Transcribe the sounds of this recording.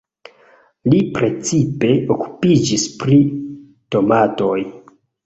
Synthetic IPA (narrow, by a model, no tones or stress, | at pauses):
lipɾe̞t͡sipe̞oku̥pid͡ʒispɾi | to̞mato̞j